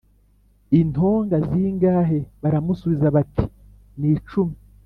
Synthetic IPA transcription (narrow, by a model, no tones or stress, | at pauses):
inho̞ːŋɡaziːŋɡaːɦe̞βaɾamusuβizaβati̥ | niːt͡ʃumi